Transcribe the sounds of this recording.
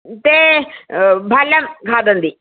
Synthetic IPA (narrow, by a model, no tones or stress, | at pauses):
t̪eː | bʱaːljamkʰaːd̪ənd̪iː